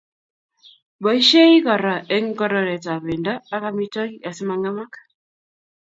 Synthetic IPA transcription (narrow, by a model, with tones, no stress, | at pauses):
bɔ˨i˦ʃe˦i˦kɔ˨ɾa˨ʔe˦ŋ̩˦kɔ˦ɾɔ˨ɾɛ˨ta˨βe˨nda˦a˦ka˦mi˦tɔ˦ki˦ʔa˨si˦ma˨ŋa˦ma˦k